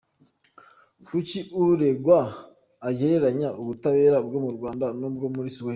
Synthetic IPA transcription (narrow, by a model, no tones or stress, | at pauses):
kuciʔuɾe̞ɡwaː | ɟeɾe̞ɾaɲaʔuβutaβe̞ːɾabɡo̞muɾɡwaːndanobɡomuɾisuwe